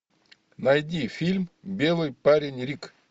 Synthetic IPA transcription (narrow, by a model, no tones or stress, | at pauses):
nɐjdʲifʲilʲmbʲe̞lˠɨjpaɾʲɪnʲɾʲik